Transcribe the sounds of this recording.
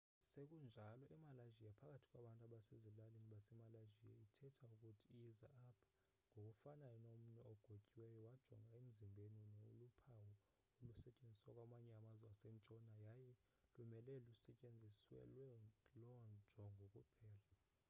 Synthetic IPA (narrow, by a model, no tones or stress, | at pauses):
sekʼund͡ʒʱalɔʔɛmalaʒijapʰak̬ʼatʰi̥kʼwaɓantʼaɓasezilaleniɓasɛmalaʒija̰itʰɛtʰaukʼutʰiːjiza̰apʰḁ | ŋɡʱok̬ʼufanajɔnom̩nɛɔɡ̥ʱokʼiwɛjɔwad̥ʒ̥ʱɔ̰ŋɡʱaem̩zimbʱeninoulupʰawɔ | olusɛcʼend͡zʱi̥swakʼwamaɲɛamazasem̩t͡ʃʼɔnajajɛ | lumɛlɛlusɛt͡ʃʼend͡zʱiswɛ̰lwɛlɔnd͡ʒ̥ʱɔŋʱokʼupʰɛːla